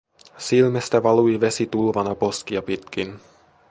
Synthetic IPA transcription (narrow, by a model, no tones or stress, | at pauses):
silmest̪æʋɑluiʋe̞sit̪ulʋɑnɑpo̞skiɑpit̪k̟in